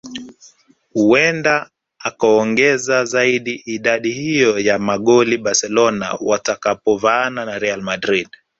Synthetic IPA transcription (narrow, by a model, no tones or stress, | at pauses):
huɛndaː | kaɔŋɡɛzazaiɗiʔiɗaɗihijɔjamaɠɔliɓasɛlɔna̰watakapɔvananaɾɛalmadɾiɗ